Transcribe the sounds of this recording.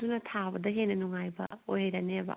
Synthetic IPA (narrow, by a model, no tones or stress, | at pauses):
dunɐtʰabɐdɐɦenɐnuŋajbɐ̰ojɦɐjɾɐnebɐ̰